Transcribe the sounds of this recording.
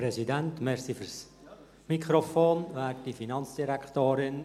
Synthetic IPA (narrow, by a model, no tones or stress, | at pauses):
pɾɛsidɛntmɛɾsifyɾs | mikʰɾofoːnvaːtdifinɑnt͡ssd̥iɾɛktoːɾɪn